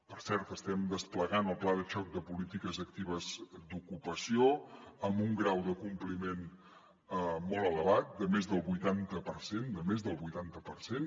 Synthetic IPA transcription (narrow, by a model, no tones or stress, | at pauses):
pəɾsɛɾt̪əst̪ɛmd̪əspləɣanəlˠplaðəʃɔk̚d̪əpulit̪ikəzək̚t̪iβ̞əzd̪ukupəsioəmbuŋɡɾawðəkumplimen | əmɔlˠələβat̪̚d̪əmezðəlˠβujt̪ant̪əpəɾsend̪əmezðəlˠβujt̪ant̪əpəɾsen